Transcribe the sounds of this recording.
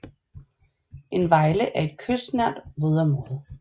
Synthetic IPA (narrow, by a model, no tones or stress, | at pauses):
ʔe̝nʋɑ̈ɪləʔæɐe̝d̥̚kʰøsnæɐ̰d̥ʋoðˠɐmoð̩ˠ